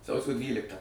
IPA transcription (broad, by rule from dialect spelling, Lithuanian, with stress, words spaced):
ˈsɐʊsʲoː ˈdʲʋʲiːlʲɪktɑː